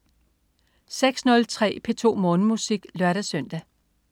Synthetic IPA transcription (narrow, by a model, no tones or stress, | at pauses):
seɡ̥snɔ̽lt͡sʰʁɛ̰ːpʰe̝t͡sʰo̝̰ːmɔ̽ːnəmusiɡ̥lɶɐɾ̥æsœn̰d̥æ